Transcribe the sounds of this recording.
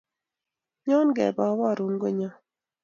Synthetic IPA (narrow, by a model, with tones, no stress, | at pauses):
ɲɔ˦nɡɛ̰˨bɔ˨˦wɔ˦˨ɾu˦nɡo˦ɲɔ˦